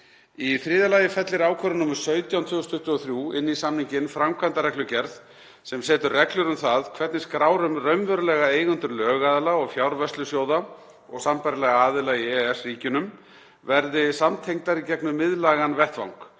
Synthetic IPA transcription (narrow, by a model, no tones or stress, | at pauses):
iθɾɪːðalajɪfɛt̪lɪɾaːwkʰœɾʏmnuːmʏɾ̥sœːɥt̪jawnt̪ʰʏːɣʏst̪ʰʏht̪ʏɔθɾjuːɪnːisamniɲcɪnfɾamkʰant̪aɾɛklʏcɛɾð | sɛmsɛːt̪ʏrrɛklʏɾʏmθaðkʰvɛt̪nɪskɾaːwɾʏmrœɥmvœɾʏlɛɣaeːjɣʏnt̪ʏɾlœːɣaðalaɔɣfjawɾvɛst̪lʏsjoːwða | ɔ̰ɣsampaɾɪlɛɣaaːðɪlaiɛɛsriːcʏnʏm | vɛɾðɪsamt̪ʰejŋt̪aɾicɛknʏmɪðlaːɣanvɛht̪va̰wŋk